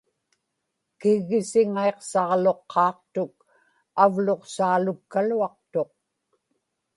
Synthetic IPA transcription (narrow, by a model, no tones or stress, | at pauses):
kɪɣːɪsɪŋaeqsɑʁlo̞qʰːɑːqt̪ʊk̚ | avlo̞qsaːlʊkːaluɑq̚t̪o̞q̚